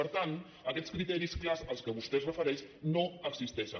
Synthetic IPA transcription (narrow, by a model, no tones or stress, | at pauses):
əɾt̪ant̪ | əkɛt͡sskɾit̪ɛɾisklazəlˠskəβust̪ɛsrəfəɾɛʃnoəksist̪ɛʃən